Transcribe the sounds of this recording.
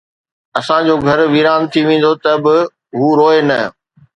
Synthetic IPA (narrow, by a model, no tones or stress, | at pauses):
ɐsãd͡ʑoːɡʱɐɾʋiːɾaːnt̪ʰiʋẽːn̆d̪ot̪ɐbɪ | ɦuːɾoːenɐ